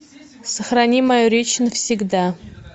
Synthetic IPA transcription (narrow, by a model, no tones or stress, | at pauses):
səχranʲimajoɾʲet͡ʃʰnəfsʲiɡd̪a